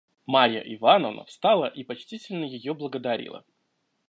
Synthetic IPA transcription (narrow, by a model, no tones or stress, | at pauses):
maɾʲjə̰ʔɪvanəvnə̰fst̪alˠəʔipɐt͡ɕtʲitʲɪlʲnəjɪjoblˠəɡəd̪ɐɾʲḭlˠə̰